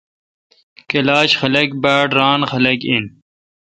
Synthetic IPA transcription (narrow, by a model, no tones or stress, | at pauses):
kelaːɕxɐlɐkbaːʈɾaːnxɐlɐkin